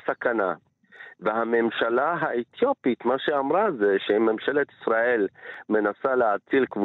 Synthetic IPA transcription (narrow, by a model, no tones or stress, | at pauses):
sakana̰ | veɦame̞mʃalaɦaʔet̪jo̞pit̪maʃeamʁazeʃememʃe̞let̪i̥sʁaʔe̞lme̞nasaleat͡silkvu